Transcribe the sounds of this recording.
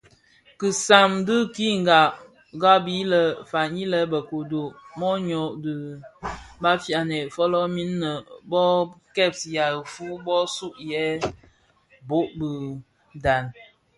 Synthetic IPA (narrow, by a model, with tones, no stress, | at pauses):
kɨ˨sa˨mdɨ˦ki˦ŋ̩˨ɡa˨ʔ | ɡa˦bi˦lə˨fa˨ɲi˦lə˦bə˨ko˨do˨ʔmɔ˦ɲɔ˨ʔdɨ˨ | ba˦fja˨nɛ˨fɔ˦lɔ˦mi˦nːə˨bɔ˦kɛ˦˨p̚sja˨fu˦bɔ˦su˦ʔjɛ˦ | bo˦ʔbə˨ | da˨n